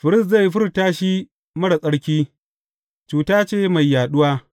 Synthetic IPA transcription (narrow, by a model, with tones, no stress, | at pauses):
ɸɪ˨ɾɪ˦s̬za˦˨jːi˦ɸɪ˦ɾtaː˦ʃi˦ | mɐ˦ɽa˨sʼɐ˦ɽkʲiː˦ | t͡ʃuː˨taː˦t͡ʃeː˦ma˨jːaː˨ɗʊ˦waː˦